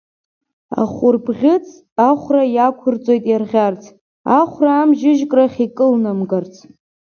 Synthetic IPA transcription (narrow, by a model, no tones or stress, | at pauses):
a̰χʷʊrbʁʲɪt͡sʰʼ | aχʷrajakʷʰʊrt͡sʼo̞jtʼjarʁʲart͡sʰ | aχʷraːmʒɪʒkʼraχʲikʼɨlnamɡart͡sʰʼ